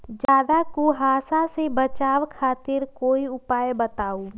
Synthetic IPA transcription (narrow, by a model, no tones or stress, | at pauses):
d͡ʒaːd̪akoɦaːsasebət͡ʃaːwkʰaːt̪ɪɾkoːiʊpaːjbət̪aːu